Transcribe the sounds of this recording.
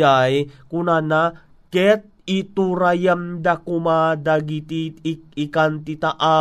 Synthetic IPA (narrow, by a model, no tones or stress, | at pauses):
ajkunana | kɛt̪̚it̪uɾajamd̪akumad̪aɡit̪iik̚ikant̪it̪aʔa